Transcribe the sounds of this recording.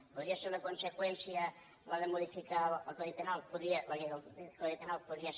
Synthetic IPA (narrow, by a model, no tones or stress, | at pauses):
poðɾiaseɾunɐkonsekwɛnsja | laðemuðifikaa̰k̪oðipenalˠpoðɾiɐlakelt̪oðip̪enal̚ˠpoðɾia